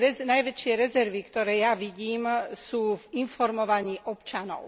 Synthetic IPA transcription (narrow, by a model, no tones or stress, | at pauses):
ɛnajʋɛt͡ʃɪɛɾɛzɛɾʋikt̪ɔɾɛːjaʋiɟiːmsuːvinfɔɾmɔʋaɲiːʔɔpt͡ʃanɔ̰ʊ